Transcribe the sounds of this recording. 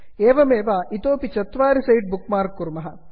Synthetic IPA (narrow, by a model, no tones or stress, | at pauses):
eːʋɐmeːʋaːʔit̪oːpit͡ʃɐt̪ʋaːɾisɐjʈ̚bukmaːɾkːuɾmɐɦɐ